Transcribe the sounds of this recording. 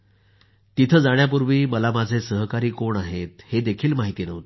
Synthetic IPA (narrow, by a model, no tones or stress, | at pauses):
t̪it̪ʰəd͡zaɳ̃jap̬uɾʋiːməlamad͡zʱesəɦkaɾiːkoɳaɦet̪hed̪ekʰiːlmaɦit̪iːnəʋt̪e